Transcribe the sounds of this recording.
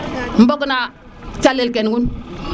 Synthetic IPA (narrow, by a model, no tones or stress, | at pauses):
m̩bokuna | t͡ʃalːelkenɡun